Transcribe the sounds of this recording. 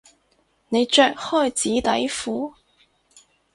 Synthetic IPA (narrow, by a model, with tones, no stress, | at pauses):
ne˨˧jt͡ʃœː˧k̚hɔː˥˧jt͡siː˨˥t̪ɐ˨˥jfuː˨˥